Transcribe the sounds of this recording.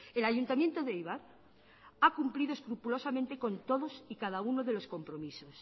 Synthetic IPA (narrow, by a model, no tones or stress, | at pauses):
elaʝunt̪amje̞nt̪oðejβaɾ | akumpliðoe̞skɾupulo̞samẽnt̪eko̞nt̪o̞ðo̞sikað̞aunoðe̞lo̞sko̞mpɾo̞misos